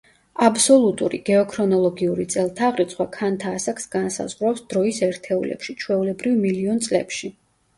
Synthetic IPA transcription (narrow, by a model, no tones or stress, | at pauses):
absɔlˠut̪ʼuɾiɡ̥ɛɔkʰɾɔnɔlˠɔɡiuɾit̪sʼɛlˠt̪ʰaʁɾit̪sχwakʰant̪ʰaːsaksɡansa̰zʁɾapsd̪̥ɾɔisɛɾt̪ʰɛulɛ̰pʃit͡ʃʰwɛulɛbɾivmiliɔnt̪sʼlɛ̰pʃi